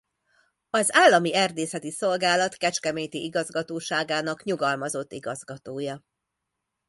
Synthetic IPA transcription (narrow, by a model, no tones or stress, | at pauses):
ɒzaːlːɒmiɛrd̪eːsɛt̪iso̞lɡaːlɒt̪kɛt͡ʃkɛmeːɲt̪iʔiɡɒzɡɒt̪oːʃaːɡaːnɒkɲuɡɒlmɒzo̞t̪ːiɡɒzɡɒt̪oːjɒ